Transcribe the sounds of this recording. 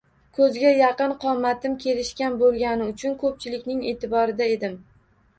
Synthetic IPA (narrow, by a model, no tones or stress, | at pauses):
kʰɵzɡʲajɑqɨnqʰɒmːat̪ʰɪmkʲʰe̞lɪʃkʲanbolˠɡʲanɪʊt͡ʃʰʊnkʰɵp̚t͡ʃʰɪlɪkʲnɪŋe̞ːt̪ʰɪbɒɾɪd̪ae̞d̪ɪm